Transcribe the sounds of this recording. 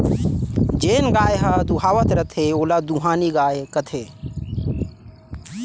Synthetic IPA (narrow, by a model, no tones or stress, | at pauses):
d͡ʒeːnɡaːjeɦəd̪uɦaːʋət̪ɾət̪ʰeoːlad̪uɦaːniɡaːjekət̪ʰe